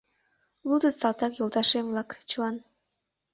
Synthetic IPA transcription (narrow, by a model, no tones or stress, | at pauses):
lˠud̪ət̪sɑlˠt̪ɑkjolˠt̪ɑʃemvlˠɑkt͡ɕəlˠɑn